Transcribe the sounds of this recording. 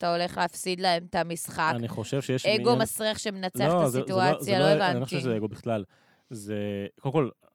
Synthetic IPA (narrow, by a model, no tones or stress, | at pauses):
at̪ao̞le̞χleafsid̪laemt̪amisχakaniχo̞ʃevʃejeʃeɡomasʁiaχʃemenat͡seaoasituat͡sjaloevanioeeɡo̞biχlal | zekolmkol